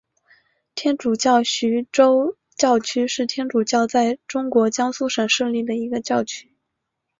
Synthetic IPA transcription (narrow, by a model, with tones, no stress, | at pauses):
t̪ʰjɛ˥nʈ͡ʂu˨˩t͡ɕjɑ˥˩ʊɕy˧˥ʈ͡ʂo˥ʊ | t͡ɕjɑ˥˩ʊt͡ɕʰy˥ʂɻ̩˥˩t̪ʰjɛ˥nʈ͡ʂu˨˩t͡ɕjɑ˥˧ʊt͡sa˥˩ɪʈ͡ʂʊ˥ŋkwɔ˧˥t͡ɕjɑ˥ŋsu˥˩ʂə˨˩ŋʂɤ˥˧li˥˩d̪ə˩i˧˥ɡə˧t͡ɕjɑ˥˩ʊt͡ɕʰy˥